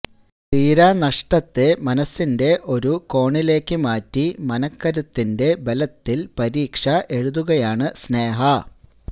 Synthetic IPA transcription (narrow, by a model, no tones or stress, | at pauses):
t̪iːɾaːnɐʂʈɐt̪ːe̞mɐnɐsːinde̞ʔo̞ɾuko̞ːɳile̞ːkːɨmaːtːimɐnɐkːɐɾɐt̪ːinde̞belɐt̪ːilpɐɾiːkʂɐʔe̞ɻuðuɣɐjaːɳɨsne̞ːɦɐ